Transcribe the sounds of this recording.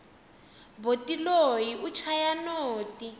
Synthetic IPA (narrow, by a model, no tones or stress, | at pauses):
botilojiʔut͡ʃʰajanoːti